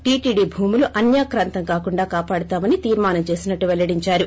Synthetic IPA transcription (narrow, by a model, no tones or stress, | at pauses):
ʈiːʈiːɖibʱuːmuluʔɐnjaːkɾaːnt̪ɐŋkaːkuɳɖaːkaːpaːɽut̪aːmɐnit̪iːɾmaːnɐmt͡ʃe̞ːsinɐʈːuʋɛlːɐɽiɲt͡ʃaːɾu